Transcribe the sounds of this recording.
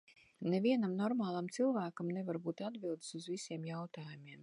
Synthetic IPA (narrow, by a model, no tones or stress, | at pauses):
neviɛnamnɔɾmaːlˠamt̪silˠvæːkamnevaɾbuːt̪ad̪bilˠd̪suzvisiɛmjawt̪aːjumiɛm